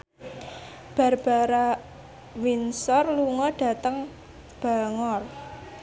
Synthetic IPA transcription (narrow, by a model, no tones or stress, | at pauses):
b̥a̤rb̥a̤ɾa | winsɔrluŋɔɖ̥ä̤t̪əŋ | b̥a̤ŋɔr